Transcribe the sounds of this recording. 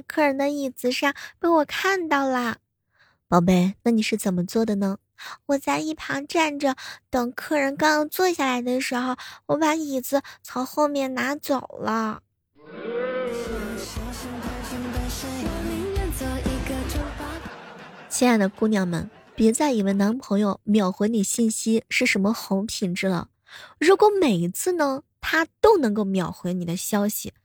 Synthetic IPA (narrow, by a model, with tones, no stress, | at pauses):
kʰɤ˥˩ɻə˧˥nd̪ə˧i˨˩t͡sɹ̩˧˥ʂɑ˥˩ŋpe˥˩ɪwɔ˨˩kʰa˥˧nt̪ɑ˥˩ʊlə˩ | pɑ˧˩ʊp̬e˥˩ɪna˥˩ni˨˩ʂɻ̩˥˩t͡sə˨˩nmə˦t͡swɔ˥˩d̪ə˩nə˩ | wɔ˨˩t͡sa˥˧ɪi˥˩pʰɑ˧˥ŋʈ͡ʂa˥˩nʈ͡ʂə˩t̪ɤ˨˩ŋkʰɤ˥˩ɻə˧˥nkɑ˥ŋjɑ˧˥t͡swɔ˥˧ɕja˥˩la˧˥ɪd̪ə˧ʂɻ̩˧˥xo˧ʊwɔ˧˥pa˧˥i˨˩d͡zɹ̩˧˥t͡sʰo˧˥ŋxo˥˧ʊmjɛ˥˩nna˧˥t͡so˨˩ʊlə˦˥˧ | ʂɔ˧˥ʂə˥˩ŋʈ͡ʂə˧ʈ͡ʂə˥ŋd̪ə˧ʂ̩˥˧˩ɔ˧˩li˧˥ɛ˥˩t͡so˧˥i˧˥ɡə˧ʈ͡ʂo˥ʊpɑ˥ | t͡ɕʰɛ˥na˧˥ɪd̪ə˨˩ku˥˧njɑ˥˩ŋmə̰˨˩n | pɛ˧˥t͡sa˥˩ɪi˧˩we˥˩ɪna˧˥npʰɤ˧˥ŋjo˧ʊmjɑ˨˩ʊxwe˧˥ɪni˨˩ɕi˥˩nɕi˥ʂɻ̩˥˩ʂə˧˥nmə˧xʊ˧˥ŋpʰi˨˥˩nʈ͡ʂɻ̩˥lə̰˨˩ | ɻu˧˥kwɔ˧˥me˨˩ɪi˧˥t͡sʰɹ̩˥˩nə˧t̪ʰa˥t̪o˥ʊnɤ˧˥ŋko˥˩ʊmjɑ˨˩ʊxwe˧˥ɪni˨˩d̪ə˦ɕjɑ˥ʊɕi˨˩